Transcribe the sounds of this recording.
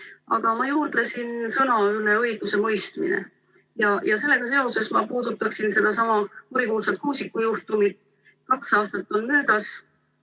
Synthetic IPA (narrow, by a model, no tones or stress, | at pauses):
ɑ̰ɡ̥ɑmɑjuːrd̪̥lesinsɤnɑyleɤ̞jɡ̥use̞mɤjst̪mḭnḛ | jɑjɑse̞lːe̞ɡ̥ɑse̞o̞se̞smɑpuːd̪̥ut̪ːˑɑksinse̞d̪̥ɑsɑmɑkuɾikuːlsɑt̪kuːsikːˑujuht̪umid̪̥ | kɑksɑːst̪ɑt̪ːˑonmøːd̪̥ɑs